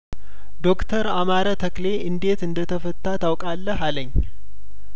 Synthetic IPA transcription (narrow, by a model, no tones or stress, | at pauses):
d̪o̞kt̪ʰəɾamaɾət̪ʰəkle̞ɨnd̪e̞t̪ɨnd̪ət̪ʰəfət̪ʰʼːat̪ʰawkʼalːəɦaləɲː